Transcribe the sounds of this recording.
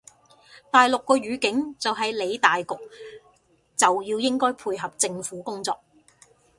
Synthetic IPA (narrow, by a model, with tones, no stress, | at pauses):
t̪aː˨jlʊ˨kːɔː˧ɥyː˨˥kɪ˨˥ŋt͡sɐ˨wɦɐ˨jle˨˧jt̪aː˨jkʊ˨k̚ | t͡sɐ˨wjiː˧wjɪ˥ŋkɔː˥jpʰuː˧jɦɐ˨p̚t͡sɪ˧ŋfuː˨˥kʊ˥ŋt͡sɔː˧k̚